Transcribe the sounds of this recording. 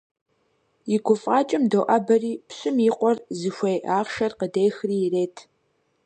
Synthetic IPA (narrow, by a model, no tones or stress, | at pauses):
ɪɡʷʊfʼɑːt͡ʃʼɪmdoːʔɐbɐriːpɕʼɪmiːqʷɔrzɨxʷejaːχʃɐrqədeːxriːreːtʰ